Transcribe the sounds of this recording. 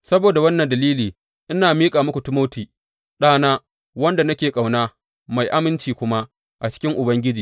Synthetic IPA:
sɐ˦boː˨da˨wɐ˦nːɐ˨ndɐ˨liː˦liː˨ | ʔɪ˦naː˨miː˦kʼaː˨mʊ˦kʷu˨tɪ˦moː˦tiː˨ | ɗaː˦naː˦ | wɐ˦nda˨nɐ˦kʲeː˨kʼa˨wnaː˦ | ma˨jʔa˦mɪ˦nt͡ʃiː˨kʷʊ˦ma˦ | ʔa˨t͡ʃɪ̥˦kʲɪ˦ŋʔʊ˨bɐ˦ŋɡʲɪ˦d͡ʒiː˨

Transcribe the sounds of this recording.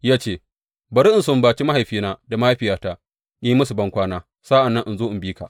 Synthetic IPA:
jaː˦t͡ʃeː˦ | bɐ˨ɾi˦ʔɪ˨nsʊ˦˨mbaː˨t͡ʃi˦ma˦ha˨jɸiː˦naː˦da˨ma˦a˦ɸɪ˨jaː˦taː˦ | ja˦ji˦mɐ˦su˨bɐ˦ŋkʷaː˦naː˦ | saː˦ʔa˨nːɐ˦ŋʔɪ˨nzoː˦ʔɪ˨mbiː˦ka˨ʔ

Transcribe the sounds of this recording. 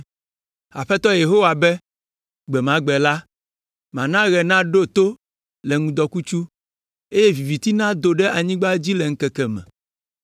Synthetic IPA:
a̰˨ɸɛ˦t̪ɔ˦je˨ɦo˦wa˨bɛ˦ | ɡ͡bɛ˨mã˦ɡ͡bɛ˨la˦ | mã˨nã˦ɣɛ˨nã˦ɖo˦t̪o˦ | lɛ˨ŋũ˨d̪ɔ˨ku˦t͡ʃu˦ | e˦jɛ˦vi˨vi˨t̪i˦nã˦d̪o˨ɖɛ˦ʔa˨ɲĩ˦ɡ͡ba˦d͡ʑi˦lɛ˨ŋ̩˦kɛ˨kɛ˨mɛ̰̃˨

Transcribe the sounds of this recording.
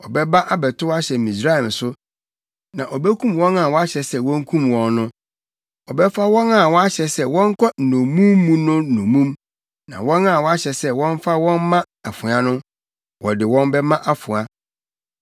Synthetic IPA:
ɔ˨bɛ˦ba˦ʔa˦bɛ˨tʰʊ˦wa˦ɕɛ˨mĩ˨sɾa˦˨ɛ˨m˨sʊ˦ | nã˨ʔɔ˨bɛ˦kʰũ˦mwɔ̃˦nã˨wɔ˦a˦ɕɛ˨sɛ˦wɔ̃˦ŋ̩˦kʰũ˦mwɔ̃˨nːʊ̃˦ | ɔ˨bɛ˦fa˦wɔ̃˦na˨wɔ˦a˦ɕɛ˨sɛ˦wɔ̃˦ŋ˦kʰɔ˦n̩˨nõ˨mũ˦mːũ˦nʊ̃ː˦˨õ˨mũ˦m | nã̰˨wɔ̃˦nã˦˨wɔ˦a˦ɕɛ˨sɛ˦wɔ̃˦n˦fa˦wɔ̃˦nmã˦ | a˨fʊ̃˨a˦nʊ̃˦ | wɔ˨dɪ˨wɔ̃˦nbɛ˦mã˦ʔa˦fʊ̃˨a˦

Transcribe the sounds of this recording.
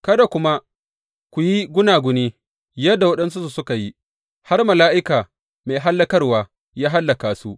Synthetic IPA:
kɐ˦da˨kʷʊ˦ma˦ | kʷu˨ji˦ɡʷʊ˦naː˨ɡʷʊ˦niː˦ | jɐ˦dːa˨wɐ˦ɗɐ˦ns̬u˦su˨sʊ˦ka˨ji˦ | ha˦rmɐ˨laː˦ʔɪ˦kaː˨ | meː˨ɦa˦lːɐ˦kɐ˦rwaː˨ | jaː˦ɦa˦lːɐ˨kaː˨su˦ʔ

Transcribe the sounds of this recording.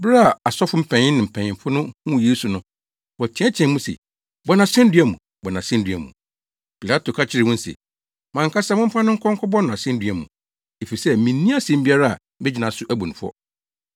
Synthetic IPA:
bɪ˦ɾa˦˨a˨sɔ˦fʊ˦m̩˨pʰɛ̃˨ɲɪ̃˦nːɪ̃˨m̩˨pʰɛ̃˨ɲɪ̃˨mfʊ˦nʊ̃˦hũ˦˨je˦su˨nʊ̃˦ | wɔ˨t͡ɕʰɛ̃˨˦ɛ˦t͡ɕʰɛ̃˨˦mũ˦sɛ̰˨ | bɔ˨˦nã˨sɛ̃˦n˦dɥæ˨mũ˨ | bɔ˨nã˨sɛ̃˦n̩˦dɥæ˨mṵ̃˨ | pʰi˨la˦tʰo˨kʰa˦t͡ɕʰɪ˦ɾɪ˨wʊ̃˦n̩˦sɛ̰˨ | mã˨ŋkʰa˦sa˦mʊ̃˦m̩˦fa˦nʊ̃˦kʰɔ̃˦ŋ˦kʰɔ˦bɔ˦nʊ̃˨a˨sɛ̃˦n˦dɥæ˨mṵ̃˨ | e˨fi˨sɛ˦mĩ˨˦nːĩ˦a˦sɛ̃˦m̩˦bi˦a˦ɾa˦a̰˨ | bɛ˦d͡ʑɪ˨nã˨sʊ˦ʔæ˦bũ˨ñ˨fʊ˦ɔ̰˦

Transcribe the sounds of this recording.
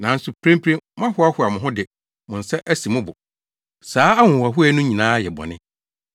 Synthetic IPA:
nã˨n̩˦sʊ˨pʰɾẽ˦m˦pʰɾẽ˦mã˦hʊ˦a˦hʊ˨a˨mʊ̃˨ɦʊ̃˦dɪ˨ | mʊ̃˨n̩˨sɛ˦ʔæ˦si˨mʊ̃˦bʊ˨ | saː˦a˦ŋʊ̃˨a˨ɦʊ˦ɛ˦nʊ̃˦ɲĩ˨nãː˦jɛ˨bɔ̰˨nɪ̃˦

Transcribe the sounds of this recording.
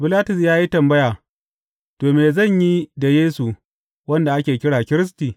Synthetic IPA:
bɪ˨laː˦tʊ˨sjaː˦ji˦tɐ˨mbɐ˦jaː˨ | toː˨meː˨zɐ˦˨ɲji˦da˨jeː˦su˨ | wɐ˦nda˨ʔa˦kʲeː˨kʲɪ˦ɽaː˨kʲɪ˦ɾɪ˦s̬tiː˨

